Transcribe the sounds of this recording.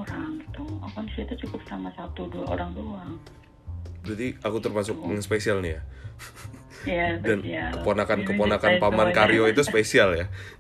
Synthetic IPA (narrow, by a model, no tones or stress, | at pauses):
oɾaŋt̪uakɔnsit̪ut͡ʃukʊp̚samasat̪uduaʔo̰ɾaŋbəluaŋ | d͡ʒadiakut̪ərmas̬ʊk̚dŋaspesialnija | jadankəponakankəponakanpamankaɾioit̪uspesialja